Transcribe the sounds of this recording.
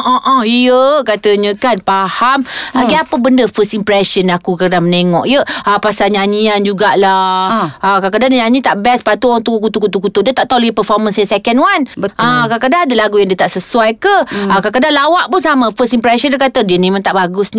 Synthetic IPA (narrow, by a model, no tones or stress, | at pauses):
ʔɔʔɔijəkat̪əɲə̃kanpahamaɡaapəbəndəfəst̪impɾɛsənakukakdaŋməneŋɔʔjəapasaɲaɲiand͡ʒuɡaʔla | akakədanɲaɲĩt̪aʔbɛspat̪uat̪ukut̪ukut̪ukut̪ʊʔdiət̪aʔt̪auləɡipəfɔrmənsjəsɛkɛnwanʔakakədaŋadəlaɡujaŋdiət̪aʔsəsuwajkəakak̬ədanlawaʔpunsamə̃fəst̪impɾɛsənlakat̪ədiənĩmãnt̪aʔbaɡʊsɲ